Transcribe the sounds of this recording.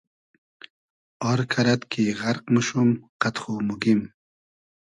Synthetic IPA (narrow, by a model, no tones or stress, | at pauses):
ɔɾkʰɐɾat̪kʰiʁaɾqmuʃumqat̪χumuɡim